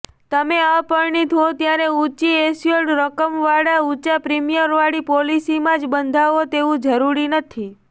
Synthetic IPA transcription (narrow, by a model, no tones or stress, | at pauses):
t̪əmeapəɾɳit̪ot̪jaɾeut͡ʃiesioɽɾəkəmʋaɽaut͡ʃapɾimijəɾʋaɽipolisimãd͡ʒbənd̪ʱaʋot̪eʋũd͡ʒəɾuɾinət̪ʰi